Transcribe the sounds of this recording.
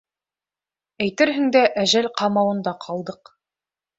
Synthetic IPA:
æjt̪ɘɾɦɘ̆ŋd̪æʔæʒælqɑmɑwɤ̆nd̪ɑqʰɑlˠd̪ɤq

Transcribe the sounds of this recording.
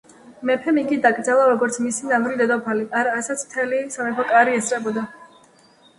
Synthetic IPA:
mɛpʰɛmikʼid̪akʼɾd̪zalˠaɾɔɡɔɾt̪sʰmisinavɾid̪ɛd̪ɔpʰaliʔaɾaːsat̪sʰm̥t̪ʰɛlisamɛpʰakʼaɾiɛsʼɾɛbɔd̪a

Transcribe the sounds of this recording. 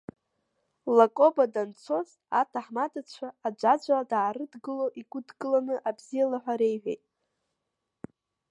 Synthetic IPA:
lakʼo̞badant͡sʰo̞z | a̰tʰaħmadat͡ɕʷʰaːd͡ʒʷad͡ʒʷaadaːɾɨdɡɨlo̞ʔiɡʷʊdɡɨlanɨʔabzijalaħʷᶣaɾe̞jħʷᶣḛjtʼ

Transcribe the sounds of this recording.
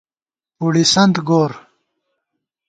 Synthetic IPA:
uɽisɐnt̪ɡoːɾ

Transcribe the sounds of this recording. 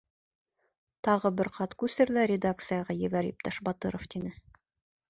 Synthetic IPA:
t̪ɑʁɤbɘɾqɑt̪kʉsɘɾlæɾʲɪd̪ak̚t̪sɨjɑʁɑjɘ̆βæɾip̚t̪ɑʃbɑt̪ɤɾoft̪ʲinɘ

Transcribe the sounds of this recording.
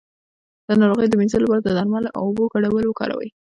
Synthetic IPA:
d̪̥ənɑɾoɣəjd̪əminzəlapɑɾad̪əd̪ɑɾmɑlʔa̰wʊboɡaɽawəlwəkɑ̰ɾa̰wə̰j

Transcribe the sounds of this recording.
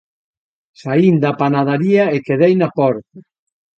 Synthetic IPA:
saind̪apanaðaɾiaekeðejnapɔɾt̪a

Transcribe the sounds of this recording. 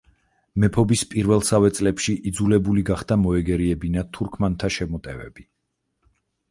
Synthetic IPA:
mɛpʰɔbispʼiɾvɛlˠsavɛt̪sʼlɛpʃiʔid̪zulɛbuliɡaχd̪amɔɛɡɛɾiɛbinat̪ʰuɾkʰmant̪ʰaʃɛmɔt̪ʼɛvɛ̰bi

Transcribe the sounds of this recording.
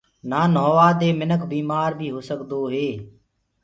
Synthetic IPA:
naːnoːʋaːd̪eːmɪnəkʰbiːmaːɾbʱiːɦoːsəkd̪oːɦeː

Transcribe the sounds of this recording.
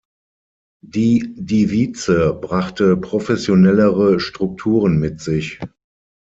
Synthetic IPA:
d̥iːdiviːt͡səbʁaχtəpʁ̥ofɛsjonɛləʁəʃtʁ̥ʊk̚tʰuːʁənmɪtz̥ɪç

